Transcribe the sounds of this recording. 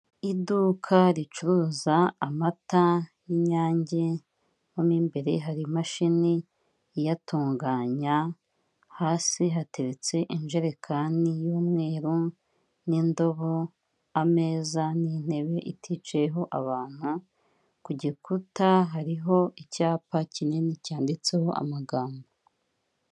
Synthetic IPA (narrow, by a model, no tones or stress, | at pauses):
idukʰaɾit͡ʃuɾuzaːmatajiɲaːɲɟe̞ | momiːmbe̞ɾe̞̰ɦaɾimaʃini | jatʰuːŋɡaːɲa | haːsiɦate̞ɾet͡se̞ʔinʒeɾekʰanijuːmŋe̞ːɾu | nindo̞βo̞ | ame̞ːzanin̥he̞βe̞ʔitʰit͡ʃeɦo̞ʔaβaːn̥hu | kuɟikutaɦaɾiɦo̞icaːpacine̞nicaːndit͡se̞ho̞ʔa̰maɡaːmbo